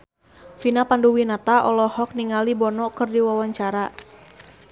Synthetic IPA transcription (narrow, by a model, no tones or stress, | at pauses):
finapanduwinat̪aʔɔlɔhɔk̚niŋalibɔnɔkɨrdiwawaɲt͡ʃaɾa